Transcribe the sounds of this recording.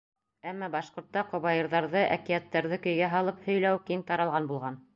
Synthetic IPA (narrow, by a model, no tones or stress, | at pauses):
æmːɑbɑʃqŏɾt̪ːɑqŏβɑjɤ̆ɾðɑɾðɤʔæ̰kijæt̪ːɑɾðɘkɵ̆jɡæɦɑlˠɤphɵ̆jlæwkiŋt̪ɑɾɑlˠʁɑnbulˠʁɑn